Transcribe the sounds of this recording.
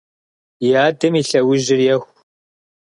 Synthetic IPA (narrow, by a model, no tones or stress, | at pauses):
jaːdɨmiːɬɐwʊʒɪrjɛxʷ